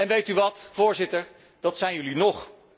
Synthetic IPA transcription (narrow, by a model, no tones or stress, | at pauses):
ɛnʋejtyʋɑtv̥ʊːɹzɪtəɹ | d̥ɑtsɛjnjɵlinɔχ